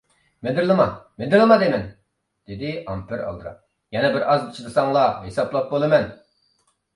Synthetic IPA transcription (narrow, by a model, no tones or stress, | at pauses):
med̪ɪɾlˠɨmɑmed̪ɪɾlˠɨmɑd̪emɛn | d̪̥ɪd̪ɪɑmpʰɪɾɑ̰lˠd̪ɾɑ̰ | jɛnɛbɪɾʔɑzd̪i̥t͡ʃʰid̪ɨsɑŋlˠɑɦesɑplˠɑp̚bolˠɨmɛn